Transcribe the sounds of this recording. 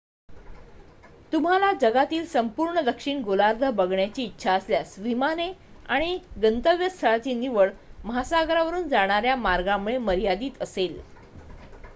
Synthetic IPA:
t̪um̤alad͡ʑəɡat̪iːlsəmpuːɾɳəd̪əkʂiːɳɡolaɾd̪ʱəbəɡɳjat͡ɕiːtːɕʰaəsljasʋimane | aɽ̃iɡənt̪əʋjəst̪ʰəɭat͡ɕiːniʋəɭməɦasaɡɾaʋəɾuːnd͡zaɽ̃aɾjamaɾɡamuɭeməɾijad̪iːt̪əsel

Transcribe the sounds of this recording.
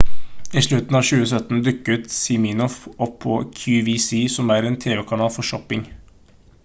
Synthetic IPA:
iːʃɭʉt̪n̩ɑːʋʃʉːəsœt̪n̩d̪ʉkːəʉːt̪sɪmiːnɔfɔpʰːɔːkʰjʉːʋiːsiːsɔmæːɾeːnt̪ʰeːʋɛkʰɑnɑːlfɔʃɔpɪŋ

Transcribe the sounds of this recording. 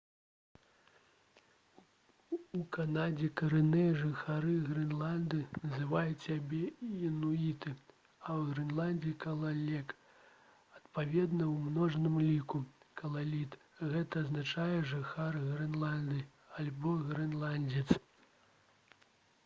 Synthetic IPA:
ukanad͡zʲɛkɐɾɨnɨjɛʐɨxaɾɨɣɾɨnlˠand̪ɨnɐzɨvajut͡sʲsʲabʲɛinuit̪ɨ | ɐwɣɾɨnlˠanʲd͡zʲikɐlˠalʲɛk | ɐt̪pavʲɛd̪nɐwmnɔʐnɨmlʲikukɐlˠalʲit̪ | ɣɛt̪ɐːznat͡ʂajɛʐɨxarɣɾɨnlˠand̪ɨ | alʲbɔɣɾɨnlˠanʲd͡zʲɛt̪s

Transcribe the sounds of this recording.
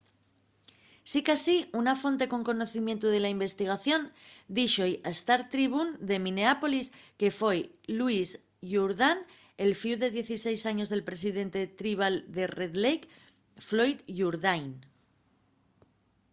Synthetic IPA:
sikasiunafo̞nt̪e̞ko̞ŋko̞no̞θimje̞nt̪uð̞e̞laimbe̞st̪iɣ̞aθjo̞nd̪iʃojaest̪aɾt̪ɾiβ̞und̪e̞mĩne̞apo̞liske̞fo̞jluis | ʝuɾðan | e̞lfiwðe̞ðje̞θise̞jsaɲo̞zð̞e̞lpɾe̞siðe̞nt̪e̞t̪ɾiβ̞ald̪e̞reðlejk | flo̞jt̪ʝuɾðajn

